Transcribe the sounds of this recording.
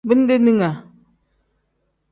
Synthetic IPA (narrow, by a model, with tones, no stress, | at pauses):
bi˦n˦de˦ni˦ŋa˨